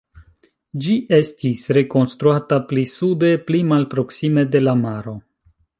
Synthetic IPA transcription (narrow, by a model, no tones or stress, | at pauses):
d͡ʒiʔe̞stisɾe̞ko̞nstɾuataplisude̞plimalpɾo̞ksime̞de̞lamaɾo̞